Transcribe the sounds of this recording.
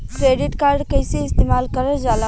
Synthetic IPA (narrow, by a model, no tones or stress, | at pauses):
kɾeɖiʈkaɾɖkəjseɪst̪emalkəɾəd͡ʒalə